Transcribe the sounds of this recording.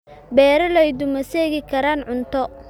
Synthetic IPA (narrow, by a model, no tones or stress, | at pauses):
bɛːɾɐlɛjd̪ʊmɐsɛːɣɪkʰɐɾaːnʕʊnt̪ʰɔ